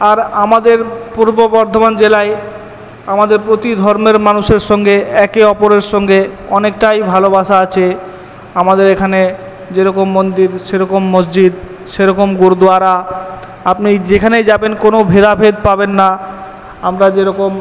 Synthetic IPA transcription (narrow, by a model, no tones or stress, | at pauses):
aɾamad̪eɾpuɾbobɔɾd̪ʱoband͡ʑelae | amad̪eɾpɾot̪id̪ʱɔɾmeɾmanuʃeɾʃɔŋɡeɛkeɔpoɾeɾʃɔŋɡeɔnekʈajbʱalobaʃaat͡ɕʰe | amad̪eɾekʰane | d͡ʑeɾɔkomːond̪iɾʃeɾɔkomːosd͡ʑid̪ | ʃeɾɔkomɡoɾd̪uaɾa | apnid͡ʑekʰanejd͡ʑabenkonobʱed̪abʱed̪̚pabenːa | amɾad͡ʑeɾɔkom